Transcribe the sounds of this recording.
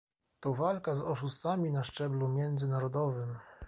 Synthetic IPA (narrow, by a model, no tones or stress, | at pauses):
t̪ɔvalkazɔʂust̪famʲinaʂt͡ʂɛblumʲjɛnd̪zɘnaɾɔd̪ɔvɘm